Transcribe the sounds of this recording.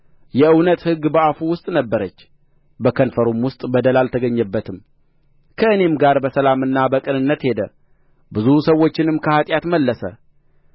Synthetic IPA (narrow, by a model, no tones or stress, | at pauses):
jɛɨwnət̪hɨɡːbəafuwʊst̪ʼnəbːəɾət͡ʃː | bəkʰənfəɾumwʊst̪ʼbəd̪əlalt̪ʰəɡəɲːəbːət̪ʰɨm | kʰəʔɨne̞mɡaɾbəsəlamɨnːabəkʼɨnɨnːət̪he̞d̪ə | bɨzusəwːo̞t͡ʃːɪnɨmkʰəhat̪ʼjat̪məlːəsə̰